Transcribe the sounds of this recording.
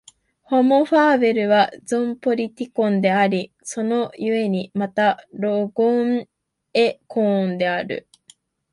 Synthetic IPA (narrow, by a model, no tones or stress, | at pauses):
ho̞moɸaːβe̞ɾɯ̟βazõmpo̞ɾʲit̪ʲikõ̞nd̪e̞aɾʲi | so̞no̞jɯ̟e̞ɲ̟imat̪aɾo̞ɡoŋ | e̞kõːnd̪e̞aɾɯ̟̰